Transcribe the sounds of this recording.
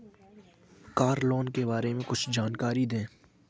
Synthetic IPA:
kaːɾloːnkebaːɾemẽkʊt͡ʃʰd͡ʒaːnkaːɾid̪ẽː

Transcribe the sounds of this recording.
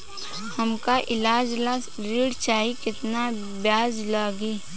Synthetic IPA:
hɐmkaʔɪlaːd͡ʒla | ɾiːɽt͡ʃaːɦikɪt̪na | bjaːd͡ʒlaːɡiː

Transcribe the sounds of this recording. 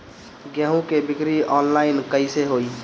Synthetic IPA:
ɡjəɦũkebɪkɾiɔːnlaːɪnkəɪseɦoːi

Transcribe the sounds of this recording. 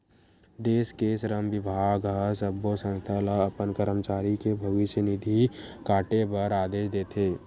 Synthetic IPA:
d̪eːskesɾəmʋɪbʱaːɡɡəsəbːosə̃nst̪ʰəlaəpənkəɾəmt͡ʃaːɾikebʱəʋɪʃjənɪd̪ʱikaːʈebəɾaːd̪eːʃd̪eːt̪ʰeː

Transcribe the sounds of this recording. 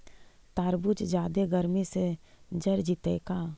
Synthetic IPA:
t̪aːɾbut͡ʃd͡ʒjaːd̪eɡəɾmise | d͡ʒəɾd͡ʒit̪ekaː

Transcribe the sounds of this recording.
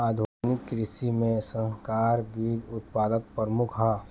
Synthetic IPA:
aːd̪ʱʋaːnɪkːɾɪsimẽsə̃ɦkaːɾʋɪʋɪd̪ʊt̪̚paːd̪ək̚pəɾmʊkʰɦaː

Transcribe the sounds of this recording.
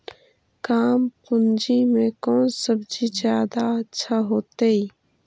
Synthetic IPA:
kaːmkʊnd͡ʒimẽkɔːnsəbd͡ʒid͡ʒjaːd̪aətːʃʰaɦoːt̪eiː

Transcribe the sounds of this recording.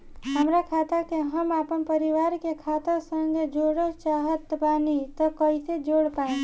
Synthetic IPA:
ɦəmɾakʰat̪əkeɦəmapənpəɾiʋaɾkekʰat̪əsəŋɡed͡ʒoɽət͡ʃaɦət̪banit̪ɔkəised͡ʒoɽpaẽ

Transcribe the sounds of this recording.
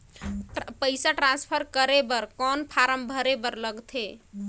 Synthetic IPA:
pəjsaʈɾãnspʰəɾkəɾebəɾkɔnpʰaɾəmbʱəɾebəɾləɡt̪ʰe

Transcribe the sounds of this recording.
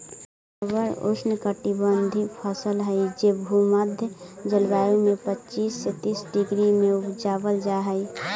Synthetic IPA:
əbəɾo̰snəkəʈibənd̪ʱipʰəsəlɦəid͡ʒebʱuməd̪ʱjəd͡ʒəlbaːjumẽpət͡ʃiːsːet̪iːsɖiɡɾimẽʊpd͡ʒabəld͡ʒaɦəɪ

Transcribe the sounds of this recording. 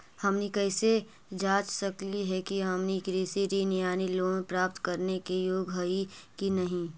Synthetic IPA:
hɐmnikɛːse | d͡ʒaːt͡ʃsɐkliɦɛkiɦɐmnikɾeːseɾinɪjaːniloːɡoẽpɾaːp̚t̪kɐɾnekejoːɡɦɐikinɐɦĩ

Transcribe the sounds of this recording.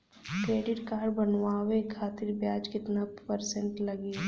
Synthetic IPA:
kɾeːɖɪʈkaːɾbɐnʋaːwekʰaːt̪ɪɾbjaːd͡ʒkɪt̪napəɾsẽɳʈlɐɡiː

